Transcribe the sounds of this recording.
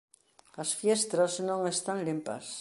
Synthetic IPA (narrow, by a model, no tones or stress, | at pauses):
asfjest̪ɾaznõŋest̪anlimpa̰s